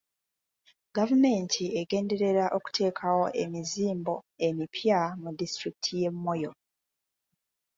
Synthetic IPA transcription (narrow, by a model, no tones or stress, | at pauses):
ɡ̥avume̞ntʰieɡe̞ːnde̞ɾe̞ɾaʔo̞ku̥tʰe̞ːkʰawo̞ʔe̞miziːmbo̞e̞mipʰjamudistɾikitʰije̞mːo̞jo̞